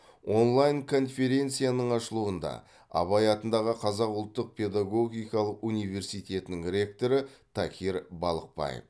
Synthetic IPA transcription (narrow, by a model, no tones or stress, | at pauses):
wo̞nlˠajŋkʰo̞nfe̞ɾʲe̞nt̪sɨjanəɴɑʃəlˠuənd̪ɑ̰ | ɑ̰βɑjɑt̪ənd̪ɑʁəqʰɑzɑqʊlˠt̪ːəq̚pʰʲe̞d̪aɡo̞ɡʲijkɑlˠəqunijve̞rsijt̪ʰʲe̞t̪ɪnɪŋɾʲe̞k̚t̪o̞ɾət̪ʰɑkʲʰiɾbɑlˠəq̚pɑ̰jḛf